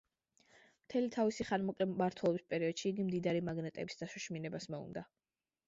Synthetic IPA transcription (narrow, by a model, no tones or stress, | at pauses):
mt̪ʰɛlit̪ʰavisiχanmɔkʼlɛaɾt̪ʰwɛlˠɔbispʼɛɾiɔd̪̥ʃiːɡimd̪id̪aɾimaɡnɛt̪ʼɛbisd̪̥asuʃminɛbasmɛṵnd̪a